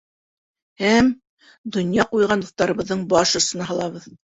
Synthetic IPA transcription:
hæm | d̪ŏnjɑqujʁɑnuθt̪ɑɾɤ̆βɤ̆ðːɤɴbɑʃŏsɤ̆nɑɦɑlˠɑβɤð

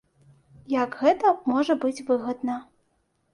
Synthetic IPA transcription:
jɐɡɣɛt̪ɐmɔʐɐbɨt͡sʲvɨɣɐd̪nɐ

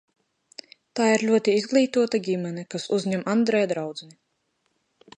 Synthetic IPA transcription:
t̪aːiɾlʲuɔt̪iizɡlˠiːt̪uɔt̪aɡʲimʲɛnʲɛkasuzɲɛmand̪ɾɛjad̪ɾawd̪zɛni

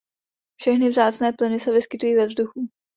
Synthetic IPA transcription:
fʃɛxnɪvzaːt͡snɛːplɪnɪsɛvɪskɪt̪ujiːvɛvzduxu

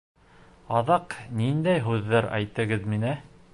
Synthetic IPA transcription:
ɑðɑqnind̪æjɦʉðːæɾæ̰jt̪ɘ̆ɡɘðminæ

